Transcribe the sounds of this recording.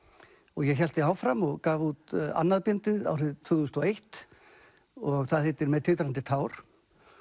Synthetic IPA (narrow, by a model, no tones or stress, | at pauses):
ɔɣjɛçɛl̥t̪ɪaːwfɾamɔɣkaːvut̪a̰nːaðpjɛnt̪ɪða̰wr̥ɪðt̪ʰvʏθust̪ɔejht̪ | ɔɣθaðhɪːt̪ːɪɾmɛðt̪ʰɪlt̪ɾant̪ɪt̪ʰaːwɾ̥